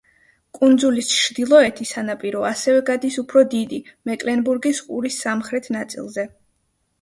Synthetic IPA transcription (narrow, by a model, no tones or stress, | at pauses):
kʼund̪zulist͡ʃʰɾd̪ilˠɔɛt̪ʰisanapʼiɾɔasɛvɛɡad̪isupʰɾɔd̪id̪imɛkʼlɛnbuɾɡisqʼṵɾisːamχɾɛt̪ʰnat̪sʼḭlˠzɛ